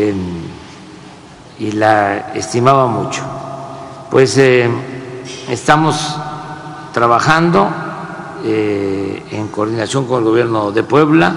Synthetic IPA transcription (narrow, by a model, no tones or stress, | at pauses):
en | ilaḛst̪imaβamut͡ʃo̥ | pwe̞se | est̪amo̞s | t̪ɾaβaxand̪o̞ | e | ḛŋko̞ɾðinasjo̞ŋko̞ne̞lɣoβje̞ɾno̞ðe̞pwe̞βla